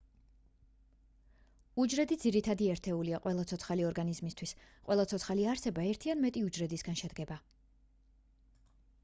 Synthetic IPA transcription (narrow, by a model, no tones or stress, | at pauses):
ud͡ʒɾɛd̪id̪ziɾit̪ʰad̪iɛɾt̪ʰɛuliaqʼwʔɛlˠat̪sʰɔt̪sʰχaliɔɾɡanizmist̪ʰwis | qʼwɛlˠat̪sʰɔt̪sʰχaliaɾsɛbaɛɾt̪ʰianmɛt̪ʼiud͡ʒɾɛd̪isɡanʃɛd̪ɡɛba